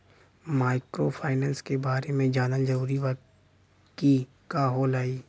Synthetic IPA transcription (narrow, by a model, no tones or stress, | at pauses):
maːɪkɾopʰaːɪnɛ̃ːnskebaːɾemẽd͡ʒaːnəld͡ʒɐɾuːɾiʋa | ki | kaːɦoːlaːiː